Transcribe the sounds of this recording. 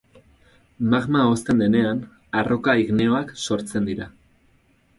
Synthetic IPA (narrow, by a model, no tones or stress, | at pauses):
maɣmao̞st̪e̞nd̪e̞ne̞an | arʔo̞kaiɣne̞o̞akso̞ɾt͡se̞nd̪iɾa